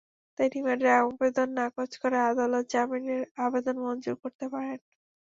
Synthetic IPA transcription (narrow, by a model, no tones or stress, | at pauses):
t̪ajnimaɖeabed̪onːakot͡ɕkoɾead̪alot̪̚d͡ʑamineɾabed̪onmɔnd͡ʑuɾkoɾt̪epaɾen